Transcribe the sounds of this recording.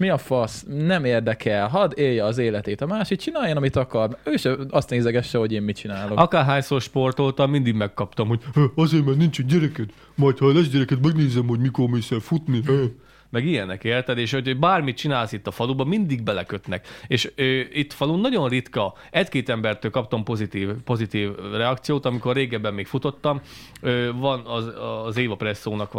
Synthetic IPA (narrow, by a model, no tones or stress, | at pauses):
miɒfɒsnɛmeːrd̪ɛkʰɛlɦɒd̪eːjːɛːzeːlɛt̪eːt̪ɒmaːʃik̚t͡ʃinaːjɒnɒmit̪ɒkɒrmøːʃɛɒst̪neːzɛɡɛʃːɛho̞ɟeːmmit͡ʃinaːloʔɒkaːɦaːjsoːrʃpo̞rt̪olt̪ɒlmind̪iɡmɛkːɒpt̪ɒmho̞ɟøɒzeːɾmɛɾnint͡ʃɛɲɟɛɾɛkɛt̪ | mɒjt̪hɒlɛʃɟɛɾɛkɛt̪mɛɡneːzɛmho̞ɟmikormeːsɛlfut̪niø | mɛɡijɛnɛkeːrt̪ɛd̪eːʃhocobaːrmit̪̚t͡ʃinaːlsit̪ːɒfɒlubɒmind̪iɡbɛlɛkø̞t̪nɛkeːʃøːit̪ːɒ̥fɒlunnɒɟo̞nrit̪kɒ | ɛckeːt̪ɛmbɛrt̪øːlkɒp̚t̪ompo̞zit̪iːvpo̞zit̪iːvrɛɒkt̪sijoːt̪ɒmiko̞rːeːɡɛbːɛmːeːkfut̪o̞t̪ːɒmøːvɒnɒzeːvɒprɛsːoːnɒkʋ